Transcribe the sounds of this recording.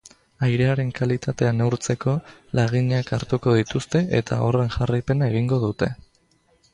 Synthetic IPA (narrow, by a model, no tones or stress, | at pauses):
ajɾe̞aɾe̞ŋkalit̪at̪e̞anewɾt͡se̞ko̞laɣ̞iɲakaɾt̪uko̞ðit̪ust̪e̞ʔet̪a̰o̞re̞ŋʝarajpe̞nae̞ɣ̞iŋɡo̞ðut̪e̞